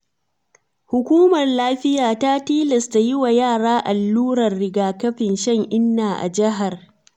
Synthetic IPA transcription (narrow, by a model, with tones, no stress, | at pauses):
hʊ˨kʷuː˦mɐ˨rlaː˦ɸɪ˦jaː˨ta˦tiː˦lɐ˨sta˨jɪ˦wa˨jaː˦˨ɽaː˦ʔa˨lːuː˦ɽɐ˨rːɪ˦ɡaː˨kɐ˦ɸɪ˨nʃɐ˦ŋʔɪ˦nːaː˨ʔa̰˨d͡ʒɪ˦ɦa˨r